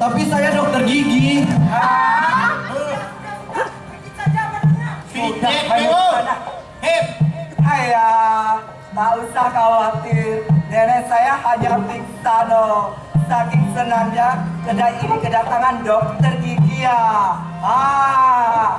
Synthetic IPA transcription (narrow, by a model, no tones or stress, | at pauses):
t̪apisajadɔk̚t̪ərɡiɡia | aasitabaaana | aja | mausakalat̪idɛɾɛsajahaɲapint̪ano | sakɪŋsənanɲakədainikədat̪aŋandɔk̚t̪ərɡiɡia | a